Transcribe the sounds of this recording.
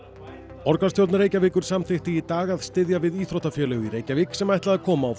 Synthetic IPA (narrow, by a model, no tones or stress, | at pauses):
ɔɾkast̪jowlt̪aɾeːjcavɪːkʏɾ̥samθɪht̪ɪit̪aːɣaðst̪ɪðjavɪðiːθɾoht̪afjœːlɛɣʏiɾeːjcaviːksɛmajht̪laðakʰɔːmaːw